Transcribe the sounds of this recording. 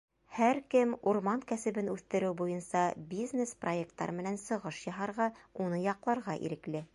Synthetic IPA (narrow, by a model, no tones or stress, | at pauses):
hæɾkɘmuɾmɑŋkæsɘ̆bɘnʉθt̪ɘ̆ɾɘwbujɤnsɑbʲiznʲesproek̚t̪ːɑ̰ɾɤmɘ̆nænsɤ̆ʁɤʃjɑɦɑɾʁɑunɤjɑqlˠɑɾʁɑʔḭɾɘ̆klɘ